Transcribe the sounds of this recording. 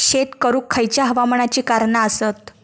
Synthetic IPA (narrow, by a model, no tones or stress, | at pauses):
ɕet̪kəɾuːkʰːəjt͡ɕjaɦəʋaməɳat͡ɕiːkaɾɳaəsət̪